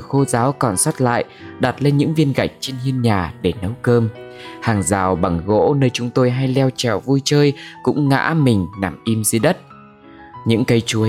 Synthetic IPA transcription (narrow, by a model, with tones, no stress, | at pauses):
xo˧zaː˨˦wkɔ˨˩nswa˦˥t̚la̰ː˧˨jʔɗa˨˩t̚le˧nɲɨ̰˧˥ŋvi˧ənɣa˨˩jk̚t͡ɕe˧nhi˧ənɲaː˨˩ɗe˧˩nə˨˦wkəː˧mhaː˨˩ŋzaː˨˩wɓa˨˩ŋɣo̰˧˥nəː˧jt͡ɕʊ˨˦ŋ͡mt̪o˧jɦa˧jlɛ˧wt͡ɕɛ˧˩wvu˧jt͡ɕəː˧jkʊ̰˧˥ŋ͡mŋa̰ː˧˥mï˨˩ŋ̟na˧˩mʔi˧mzi˧ɗə˦˥t̚ | ɲɨ̰˧˥ŋkə˨˦jt͡ɕu˨˦ə